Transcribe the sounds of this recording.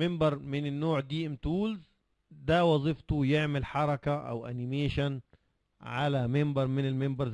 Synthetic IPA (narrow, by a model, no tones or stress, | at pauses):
ɪmbɑɾˤmɪnɪnːoːʕd̪iːʔɪmt̪uːlz | d̪æwɑzˤift̪ujɪʕmɪlħɑɾˤɑkaʔæ̰wʔæ̰nɪmeːʃan | ʕalæmɪmbɑɾˤmɪnɪlmɪmbɑɾˤz